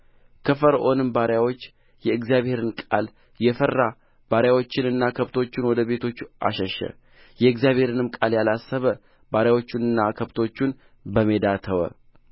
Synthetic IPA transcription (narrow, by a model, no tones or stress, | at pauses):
kʰəfəɾʔo̞nɨmbaɾjawo̞t͡ʃː | jɛɨɡzijaβhe̞ɾɨnkʼa̰l | jɛfəɾːa | b̥aɾjawo̞t͡ʃːɪnɨnːakʰəβt̪ʰo̞t͡ʃːɪnwɔd̪əβe̞t̪ʰo̞t͡ʃːʔa̰ʃəʃə̰ | jɛɨɡzjaβhe̞ɾɨnɨmkʼaljalasːəβə | baɾjawo̞t͡ʃːɪnɨnːakʰəβt̪ʰo̞t͡ʃːun | bəmed̪at̪ʰəwə̰